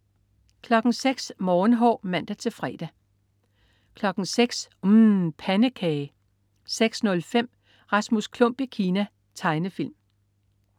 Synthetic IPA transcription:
kʰlɒ̽ɡ̥n̩seɡ̥smɒːn̩ɦɒ̰ːmæn̰d̥æt͡sʰe̝fʁɛ̰ːd̥æ | kʰlɒ̽ɡ̥n̩seɡ̥s | pʰænəkʰɛ | seɡ̥snɔ̽lfem̰ | ʁɑ̈smuskʰlɔ̽m̰b̥ikʰiːnæ | t͡sʰɑ̈ɪnəfil̰m

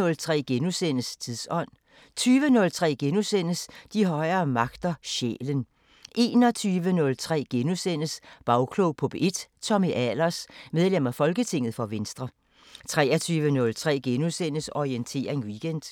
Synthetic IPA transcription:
ɔ̽lt͡sʰʁɛ̰ːɡ̥enusenəst͡sʰiðˠsɒ̽n̰ | t͡sʰyːʋənɔ̽lt͡sʰʁɛ̰ːɡ̥enusen̰əsd̥iɦɒ̽ɪɐːmɑ̈ɡ̥d̥ɐɕḛːlən | ʔe̝̰ːnɒt͡sʰyːʋənɔ̽lt͡sʰʁɛ̰ːɡ̥enusen̰əsb̥ɑ̈ʊkʰloʊpʰɔb̥e̝d̥t͡sʰɒ̽miʔælɐsmeð̞ˠlem̰ɐfɒ̽lɡ̥ət͡sʰe̝ŋð̞̩ˠfɒ̽ʋensd̥ʁɐ | t͡sʰʁɛːɐt͡sʰyːʋənɔ̽lt͡sʰʁɛ̰ːɡ̥enusenəsɒient͡sʰe̝̰ːɐʁeŋʋiɡ̥en̰d̥

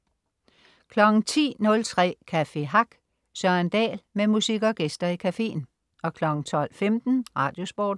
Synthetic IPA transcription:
kʰlɒ̽ɡ̥ŋ̩t͡sʰḭːnɔ̽lt͡sʰʁɛ̰ːkʰæfe̝ɦɑ̈ɡ̥ | sɶɐnd̥ɛ̰ːlmemusiɡ̥ɒɡ̥esd̥ɐikʰæfe̝̰ːn | ʔɒ̽kʰlɒ̽ɡ̥ŋ̩t͡sʰɒ̽l̰femd̥n̩ʁɑ̈ːd̥jo̝sb̥ɒ̰ːd̥

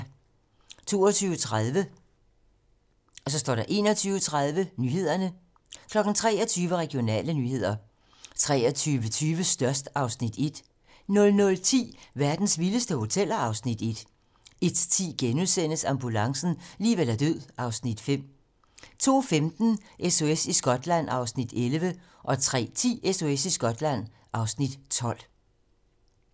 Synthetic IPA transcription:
t͡sʰo̝̰ːɒt͡sʰyːʊət͡sʰʁaðˠʋə | ʔɒ̽sɒ̽sd̥ɒ̰ːd̥ɑ̈ʔe̝ːnɒt͡sʰyːʊət͡sʰʁað̞ˠʋənyːɦe̝ð̞̰ˠɐnə | kʰlɒ̽ɡ̥n̩t͡sʰʁɛ̰ːɐt͡sʰyːʋəʁɛɡ̥jo̝nɛ̰ːlənyːhe̝ð̞̰ˠɐ | t͡sʰʁɛ̰ːɐt͡sʰyːʋət͡sʰyːʋəsd̥ɶɐsd̥ɑ̈ʊsnid̥e̝d̥ | nɔ̽lnɔ̽lt͡sʰḭːʋæɐd̥n̩sʋiləsd̥əho̝t͡sʰel̰ɐɑ̈ʊsnid̥e̝d̥ | e̝d̥t͡sʰḭːɡ̥enuðˠsen̰əsɑ̈mb̥ulɑ̈ŋsn̩liːʋelæɐd̥øð̰ˠʔɑ̈ʊsnid̥fem̰ | t͡sʰo̝̰ːfemd̥n̩ʔeso̝esisɡ̥ɒ̽d̥læn̰ɑ̈ʊsnid̥elʋə | ʔɒ̽t͡sʰʁɛ̰ːt͡sʰḭːeso̝esisɡ̥ɒ̽d̥læn̰ | ʔɑ̈ʊsnid̥t͡sʰɒ̽l̰

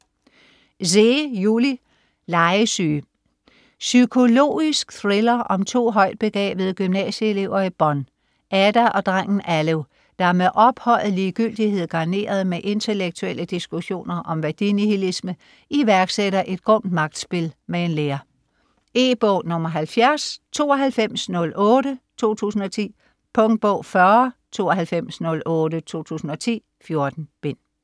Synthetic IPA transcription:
se̝juli | lɑ̈ɪəsyː | sykʰo̝lo̝̰ːisɡ̥θʁelɐʔɒ̽mt͡sʰo̝̰ːɦɒ̽ɪ̰d̥̚b̥e̝ɡ̥ʁɛ̰ːb̥ð̩ˠɡ̥ymnɛ̰ɕəe̝le̝ʊ̰ɐib̥ɒ̽n | ʔæd̥æʔɒ̽d̥ʁaŋ̰n̩ʔæleʊ | d̥ɑ̈æɐmeʔɒ̽b̥hɒ̽l̰ð̩ˠliːɡ̥yl̰d̥ihe̝ð̞̰ˠɡ̥ɑ̈ne̝̰ːɐð̞̩ˠmeʔe̝nt͡sʰe̝leɡ̥̚t͡sʰuel̰əd̥isɡ̥uɕo̝̰ːnɐʔɒ̽mʋæɐd̥inihilismə | ʔiʋæɐɡ̥seɾɐʔe̝d̥̚ɡ̥ʁɔ̽n̰d̥mɑ̈ɡ̥̚d̥sb̥e̝lmee̝nleːɐ | e̝̰ːb̥ɔʊnɔ̽mɐɦælfjæɐst͡sʰo̝̰ːɒɦælfem̰snɔ̽lʔɔ̽ːɾət͡sʰo̝̰ːt͡sʰṵːsn̩ɒ̽t͡sʰḭː | pʰɔ̽ŋd̥̚b̥ɔ̰ʊ̰fɶɐt͡sʰo̝̰ːɒɦælfem̰snɔ̽lʔɔ̽ːɾət͡sʰo̝̰ːt͡sʰṵːsn̩ɒ̽t͡sʰḭː | fjo̝ɐd̥n̩b̥e̝n̰

